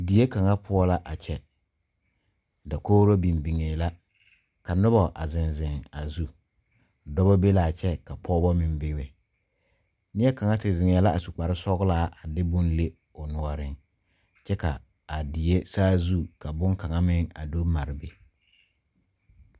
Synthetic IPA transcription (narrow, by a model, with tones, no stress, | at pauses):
di˨je˦ka˨ŋa˦pʰʊ˦ɔ˦la˦ʔa˨t͡ʃɛ˦ | da˨koː˦ɾo˦bi˨mbi˨ŋe˨la˦ | ka˨nʊ˦bɔ˨ʔa˨zɪ˨nzɪ˨ŋa˨zu˦˨ | dɔ˦bɔ˦be˦la˨t͡ʃɛ˦ka˨pʰɔː˦bɔ˦mɪ˨m˦bɪ˦we˨ | nɪ˦ɛ˦ka˨ŋa˦tɪ˨zɪ˨ŋɛ˨˦la˦ʔa˨su˨k͡pa˨ɾɪ˦sɔ˦ɣlaː˦ʔa˨dɪ˦bʊ˦nle˦ | ʊ˨nʊ˨ɔ˨ɾɪ˦ŋ | t͡ʃɛ˦ka̰˨ | a˨di˨e˦saː˦zu˦ka˨bʊ˦ŋka˨ŋa˦mɪ˦ŋa̰˨do˦ma˨ɾɪ˨be˨